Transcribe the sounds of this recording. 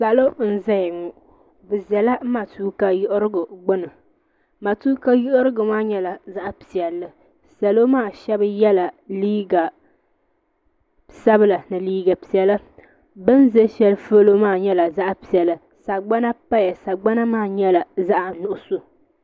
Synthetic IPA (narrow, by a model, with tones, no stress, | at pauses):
sa˨lo˦n̩˦za˦jŋʊ˨ | bɨ˨zɛ˨la˦ma˨tuː˦ka˨jʊ˦ʔʊ˦ɾɨ˦ɡʊ˨ɡ͡bʊ˦nɨ˨ | ma˨tuː˦ka˦jʊ˦ʔʊ˦ɾɨ˦ɡʊ˨maː˦ɲɛ˦la˨za˦ʔpi˨ɛ˨lːɨ˦ | sa˨lo˦maː˦˨ʃɛ˦bɨ˦jɛ˦la˨liː˦ɡa˨ | sa˦bɨ˦la˨nɨ˨liː˦ɡa˨pi˨ɛ˨lɨ˦ | bɨ˦nzɛ˦ʃɛ˦lfo˦lo˦maː˦˨ɲɛ˦la˨za˦ʔpi˨ɛ˨lɨ˦ | sa˨ɡ͡ba˦na˦pa˦ja˨sa˨ɡ͡ba˦na˦maː˦˨ɲɛ˦la˨za˦ʔnʊ˨ʔʊ˨so˦